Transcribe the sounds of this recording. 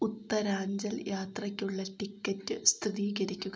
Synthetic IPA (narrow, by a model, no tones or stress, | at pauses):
ut̪ːɐɾaːɲd͡ʑɐljaːt̪rɐkʲːuɭːɐʈikʲːɐtːɨst̪ʰiðiːɡɐɾikʲːuɣɐ